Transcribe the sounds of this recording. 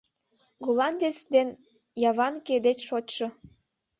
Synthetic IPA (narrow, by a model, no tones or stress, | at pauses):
ɡolɑnʲd̪ʲet͡sd̪en | jɑβɑnked̪et͡ɕʃot̪ʲʃɤ̆